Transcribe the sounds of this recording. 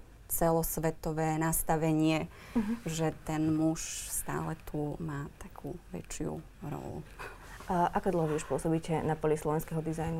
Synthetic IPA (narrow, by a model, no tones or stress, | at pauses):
t͡sɛlɔsʋɛt̪ɔʋɛːnast̪aʋɛɲɪɛ | ʒɛt̪ɛnmuʃst̪a̰ːlɛt̪ʰumaːt̪akʰuːʋɛ̰t͡ʃɪṵ | ɾɔ̰lṵ | ʔakɔd̪l̩ˠɦɔʋiuʃpʊɔsɔbiːcɛnapɔlislˠɔʋɛnskɛɦɔd̪izajnu